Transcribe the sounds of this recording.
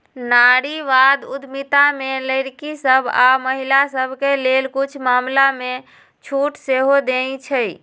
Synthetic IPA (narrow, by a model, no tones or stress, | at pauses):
naɽiʋad̪ud̪ʱmit̪ameləjɽkisəbʱa̰məɦilasəbʱkelelkut͡ʃʰmamlame | t͡ʃʰuʈseɦod̪ent͡ʃʰəj